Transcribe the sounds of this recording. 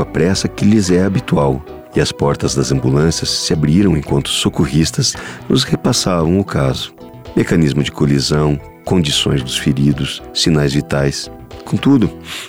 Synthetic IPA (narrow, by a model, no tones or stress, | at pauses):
ɐpɾɛsɐkɪlɪzɛabit̪uaw | ɪɐspɔɾt̪ɐzd̪ɐzɐ̃mbulɐ̃sjɐsːɪabɾiɾɐ̃w̃ẽkwɐ̃nt̪ʊ̥sokoɦist̪ɐsnʊ̰shepasavɐ̃w̃ʊkʰazʊ̥ | mekɐnizmʊzd͡ʒɪkolizɐ̃w̃ | kõd͡ʒisõj̃zd̪ʊsfeɾid̪ʊsːinajzvit̪ajs | kõt̪ud̪ʊ